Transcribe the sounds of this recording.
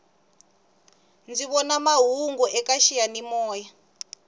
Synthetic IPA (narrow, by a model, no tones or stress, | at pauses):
nd͡ziβɔnamaɦuŋɡɔʔɛkaʃijanimɔːja